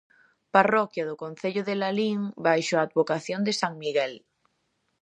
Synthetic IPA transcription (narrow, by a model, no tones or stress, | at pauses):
parɔkjaðokõnθeʎoðelaliŋbajʃoaːd̪βokaθjond̪esaŋmiɣɛl